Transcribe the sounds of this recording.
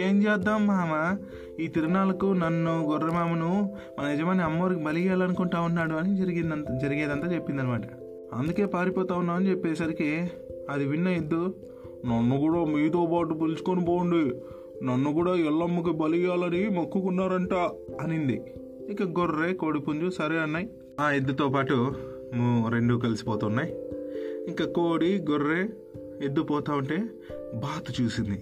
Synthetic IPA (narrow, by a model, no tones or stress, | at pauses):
eːmd͡ʒɛːd̪aːmːaːmɐ | iːt̪iɾɐɡnaːlɐkunɐnːuɡɔrːemaːmɐnu | mɐnɐid͡ʒɐmaːniɐmːɐɐɾikibɐliijaːlɐnukuɳʈaːunːaːɽuɐnid͡ʒɐɾiɡind̪ɐd͡ʒɐɾiɡeːd̪ɐnt̪aːt͡ʃe̞pːind̪ɐnimaːʈɐ̥ | ɐ̰nd̪uke̞ːpaːɾipɔːt̪aːunːaːmɐnit͡ʃepːɛːsɐɾikiɐd̪iʋinːɐed̪ːu | nɐnːukuːɽaːmiːt̪oːpaːʈupilusu̥konipoːuɳɖi | nɐnːukuːɽaːɛlːɐmːuk̬ibɐlijaːlɐnimɐkːukunːaːɾɐɳʈaː | ɐnind̪i | iŋkːaɡoɾːeːko̞ːɽipuɲd͡ʒusɐɾeːɐnːaːji | aːed̪ːɐt̪oːpaːʈu | muɾe̞ɳɖukɐlisi̥pɔːt̪unːaːj | iŋkakoːɽiɡoɾːeː | ed̪ːupɔːt̪aːʋɐɳʈe̞ː | baːt̪ut͡ʃuːsind̪i